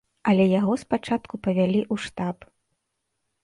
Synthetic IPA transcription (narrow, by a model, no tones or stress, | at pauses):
ɐlʲɛjaɣɔspat͡ʂat̪kupɐvʲalʲiʔuʂt̪ap